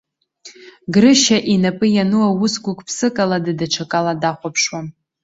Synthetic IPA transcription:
ɡrɨʃaʔinapʼɨjanɨwawʊsɡʷʊkʷʼpʰsɨkʼaladɨdaʈ͡ʂʰakʼaladaχʷapʰʂwan

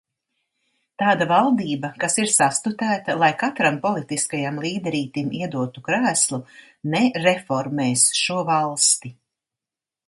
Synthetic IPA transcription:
t̪aːd̪avalˠd̪iːbɐkasiɾsast̪ut̪æːt̪alˠajkat̪ɾampɔlˠit̪iskajamlˠiːd̪ɛɾiːt̪imiɛd̪uɔt̪ukɾæːslˠu | nɛɾefɔɾmeːsʃuɔvalˠst̪i

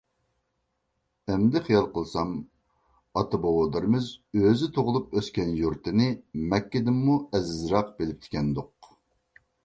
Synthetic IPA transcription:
ɛmd̪ɪχijɑlˠqəlˠsɑm | ɑt̪ʰɨbowod̪ɨɾɨmɨzøzɪt̪ʰoʁʊlˠupøskʲɛnjuɾt̪ʰɨnɪmɛkʲːɪd̪ɪmːuɛzɪzɾɑqbelɪp̚t̪ʰɪ̥kʲɛnd̪oq

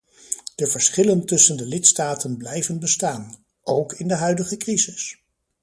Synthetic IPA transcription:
d̥əvəɹsχɪləntɵsəndəlɪtstaːtənblɛjvənbəstaːn | owkɪndəɦœɥdəχəkrizɪs

